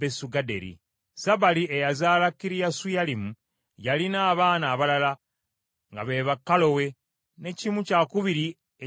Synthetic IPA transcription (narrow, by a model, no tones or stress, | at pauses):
esuɡadḛɾḭ | saβaliejazaːlakːiɾijasujalimu | jalinaːβaːnaːβalala | ŋɡa̰βe̞ːβakːalo̞we̞ | ne̞cimucakuβiɾi | e